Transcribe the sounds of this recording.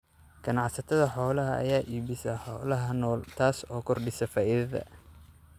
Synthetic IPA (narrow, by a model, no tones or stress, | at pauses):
ɡ̥ɐnɑʕsɐt̪ʰɐðɐħɔːlɐɦɐɐ̰jaːʔiːβɪsɐħɔːlɐɦɐnɔːlt̪ʰaːsɔːkʰɔrɖɪsɐfaːʔɪðɐðɐ̰